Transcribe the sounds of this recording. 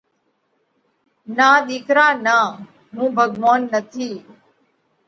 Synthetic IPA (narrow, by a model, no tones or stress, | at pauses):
naːɗ̪iːkɾaːnaː | mũːbʱəɡʋaːnːət̪ʰiː